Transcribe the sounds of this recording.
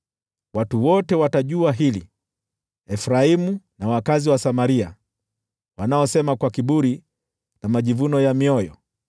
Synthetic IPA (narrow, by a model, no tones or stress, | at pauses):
watuwɔtɛwataʄuaɦilḭ | ɛfɾaimunawakaziwasamaɾia | wanaɔsɛmakwakiɓuɾi | namaʄivunɔjamiɔjɔ̰